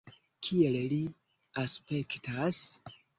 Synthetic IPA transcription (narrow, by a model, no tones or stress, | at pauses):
kʰielli | aspe̞ktas